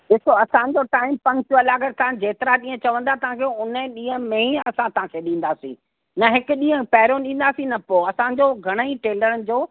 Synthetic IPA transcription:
ɗɪsoɐsãɲ̆d͡ʑoʈaːɪmpɐ̃ŋk̚t͡ɕuɐlaːɡəɾt̪ãd͡ʑeːt̪ɪɾaɗĩːə̃t͡ɕɐʋə̃nd̪at̪ɐɦãkʰeːʊnɗĩːə̃mẽĩɐsãt̪ɐɦãkʰeːɗĩːn̆d̪aːsḭ̃ː | nɐɦɪkʊɗĩːɦə̃pɛɪɾõɗĩːn̆d̪aːsĩnɐpoɐsãɲd͡ʑoːɡʱɐɽ̃əiʈeːləɾənɪ̆d͡ʑoː

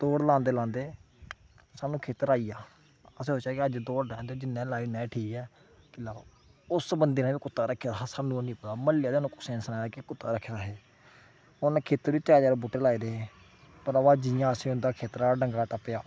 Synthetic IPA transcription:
d̪oːɽlãːnd̪eːlãːnd̪eː | saːnũːkʰeːt̪əɾaːiːjaː | əseːoːt͡ʃaːkɪəd͡ʒd̪oːɽlɛ̃ːnd̪eːd͡ʒɪnːɛ̃ːlaːinɛ̃ːʈʰiːkɛː | kɪlaːʋa̰ː | ʊsbənd̪eːnãːbiːkʊt̪ːaːɾəkʰːeaɦaːsaːnũːnĩːpəd̪aːməlɪjaːd̪eːnũːkʊsɛ̃ːnsnãːaːkekʊt̪ːa̰ːɾəkʰːeːɾaːɦeː | ʊnãːkʰeːt̪əɾʋiːt̪aːd͡ʒaːɾbuːʈːeːlaːiːd̪eː | pəɾəʋaːd͡ʒɪjãːəsẽːʊnd̪aːkʰeːt̪ɾaːɖəŋɡaːʈəpːɪjaː

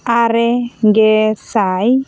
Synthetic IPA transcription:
aɾɛɡesaj

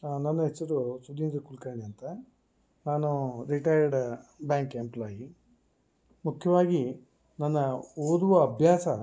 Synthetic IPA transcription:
nɐnːɐɦet͡ʃːɐɾusud̪iːnd͡ʒɐkulkɐːɳiɐnt̪ɐ | naːnuɾiʈɐjɐɾɖbjaːŋkemplaːji | mukʰjɐʋaːɡi | nɐnːɐoːd̪uʋɐːbʱjaːsɐ

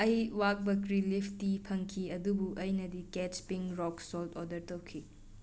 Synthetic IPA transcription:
ɐjwak̚bɐkɾilipʰtipʰɐŋkʰiɐdubuʔɐjnɐdiket͡ʃpiŋɾɔksɔltɔdɐɾtɐwkʰi

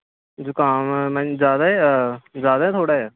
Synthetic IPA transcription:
d͡ʒʊkaːmmɛ̃d͡ʒaːd̪aːɛzaːd̪aːɛːt̪ʰoːɽaːɛː

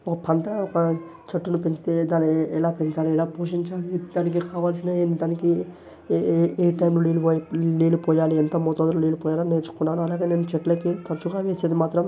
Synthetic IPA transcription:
ɔkɐpʰɐɳʈɐɔkɐ | t͡ʃɐʈːunupeɲt͡ʃi̥t̪ed̪aːnɛlaːpeɲt͡ʃaːliɛlaːpuːʂiɲt͡ʃaːlid̪aːnik̬ikaːʋaːls̬inaːenid̪aːniki | eːʈɐjmloliːluoːjliːlupoːjaːliɛnt̪ɐmot̪od̪ululiːlupoːjaːlaneːɾt͡ʃu̥kunːaːnuɐlaːɡe̞ːne̞ːnut͡ʃɛʈlɐkit̪ɐɾt͡ʃuɡaːʋeːseːd̪imaːt̪ɾɐm

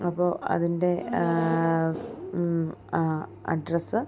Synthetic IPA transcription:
ɐpːo̞ːʔɐ̰ðinde̞ | ɐ̰ɖrɐsɨ

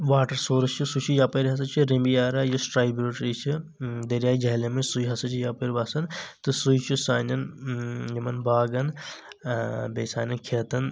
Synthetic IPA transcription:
ʋaːʈɐɾsoːɾɐst͡ʃʰisut͡ʃʰijaːpɐɾɦɐs̬ɐt͡ʃʰiɾimbijaːɾajosʈɾaːjbɾuʈɾit͡ʃʰid̪ɐɾʲjaːjd͡ʒɐɦlɐmesujɦɐsɐt͡ʃʰijaːpɐɾʲʋaːsɐnt̪ɨsujt͡ʃʰisaːnɐnjɐmɐnbaːɡɐn | besaːnɐnkʰeːt̪ɐn

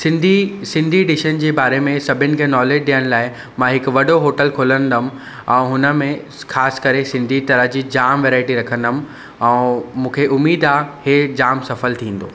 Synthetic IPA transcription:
sɪ̃nd̪ʱisɪ̃nd̪ʱieɖɪʃənd͡ʑeːbaːɾemẽsɐbʱɪnɪ̆kʰẽːnɔːleːd͡ʑɗijəñɪ̆laːɪ | mãɦɪkʋɐɖoɦoːʈəlkʰoːlə̃nd̪əm | ɛ̃ːɦʊnə̆mẽ | xaːsɪ̥kɐɾesɪ̃nd̪ʱit̪ɐɾəɦd͡ʑid͡ʑaːmʋeːɾaːɪʈiɾɐkʰə̃nd̪əm̆ | ɛ̃ːmũːkʰeʔʊmːiːd̪aːhed͡ʑaːmsɐfəlt̪ʰĩːn̆d̪oː

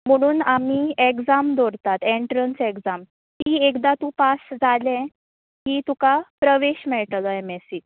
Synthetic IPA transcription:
m̤əɽ̃uːnamiːekd͡zamd̪oɾt̪at̪eɳʈɾənsekd͡zam | t̪iːekd̪at̪ũpasd͡zalɛ̃ | ɦiːt̪ukapɾəʋeɕmɛɭʈlɔemesi

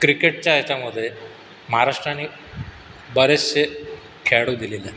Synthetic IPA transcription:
kɾikeʈ̚t͡ɕjajt͡ɕaməd̪ʱːe | məɦaɾaʂʈɾanːiː | bəɾese | kʰeɽud̪ilile

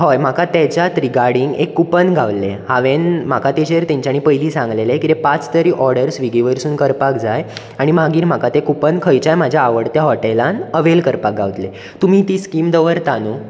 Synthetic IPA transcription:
ɦojm̤akat̪et͡ɕjat̪ɾiɡaɾɽiŋɡekːupənɡʱaʋlḛhaʋenm̤akat̪eɕeɾt̪ẽɲt͡ɕjañipəjliːsãŋɡlelekit̪epat͡st̪əɾiːʔɔɾɽəɾsʋiɡiʋəɾsuːnkəɾpakd͡zaj | aɽ̃imaɡiːɾm̤akat̪ekupənkʰəjt͡ɕajmad͡ʑʱjaːʋəɽt̪jaɦɔʈelanəʋelkəɾpak̚ɡʱaʋt̪le | t̪um̤iːt̪iːskimd̪əʋəɾt̪anuː

